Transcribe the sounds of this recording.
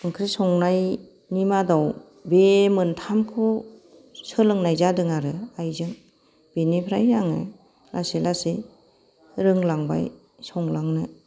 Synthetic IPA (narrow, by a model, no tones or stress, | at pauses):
ɯŋkʰɾɯsɔŋnaj | nimadaw | bemɯntʰamkʰɯ | sɯlɯŋnajzadɯŋaɾɯajzɯŋ | b̥enipʰɾajɾaŋɯ̰ | lasilasi | ɾɯŋlaŋba̰j | sɔŋlaŋnɯ